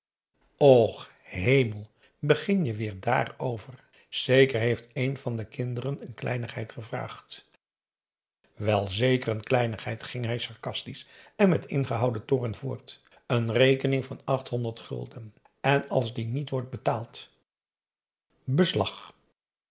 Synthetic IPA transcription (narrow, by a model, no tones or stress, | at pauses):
ɔχ | ɦejməlˠ | bəχɪnjəʋɪːɹda̰ːrowvər | z̥ejkəɹɦejftejnv̥ɑndəkɪndərənənklɛ̰jnəχɦɛjtχəvra̰ːχt | ʋɛlˠzejkərənklɛjnəχɦɛjtχɪŋɦɛjsɑɹkɑstisɛnmɛtɪ̰nχəɦɑwdətʊrənvʊːɹt | ənrejkənɪŋvɑnɑχtɦɔndəɹtχɵ̰lˠdən | ɛnɑ̰lˠzdinitʋɔɹt̚bətaːlˠt | bəslɑ̰χ